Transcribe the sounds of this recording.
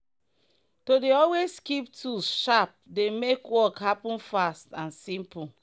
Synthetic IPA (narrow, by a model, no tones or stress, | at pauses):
todeɔlweskiptʰuʃap̚demekwɔkhapɔ̃nfastãnsĩmpu